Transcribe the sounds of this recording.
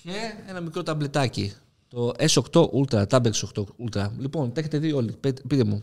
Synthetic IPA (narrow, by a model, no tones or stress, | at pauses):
cee̞nɐmikɾo̞t̪ɐble̞t̪ɐci | t̪o̞eso̞kt̪o̞ʔult̪ɾɐt̪ɐbeksoxt̪oult̪ɾɐlipo̞nt̪e̞çe̞t̪e̞ðio̞lipet̪pit̪e̞mu